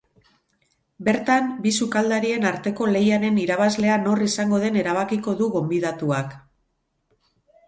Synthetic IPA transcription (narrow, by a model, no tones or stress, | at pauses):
be̞ɾt̪ambisukald̪aɾie̞naɾt̪e̞ko̞le̞jaɾe̞niɾaβ̞azle̞ano̞risaŋɡo̞ð̞e̞ne̞ɾaβ̞akiko̞ðuɣo̞mbið̞at̪uak